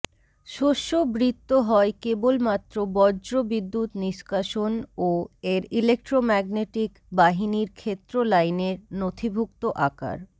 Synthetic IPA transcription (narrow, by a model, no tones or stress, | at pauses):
ʃoʃːobɾit̪ːoɦɔekebolmat̪ːɾobɔd͡ʒɾobid̪ːut̪niʃkaʃonoeɾilek̚ʈɾomɛɡneʈik | baɦiniɾkʰet̪ːɾolajneɾnot̪ʰibʱuk̚t̪oʔaka̰ɾ